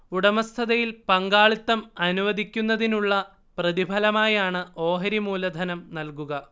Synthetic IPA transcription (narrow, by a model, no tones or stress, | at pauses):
uɽɐmɐst̪ʰɐðɐjilpɐŋɡaːɭit̪ːɐmɐnuʋɐd̪ʱikʲːunːɐðinuɭːɐ | prɐðibʱɐlɐmaːjaːɳɨo̞ːɦɐɾimuːlɐd̪ʱɐnɐmnɐlkuɣɐ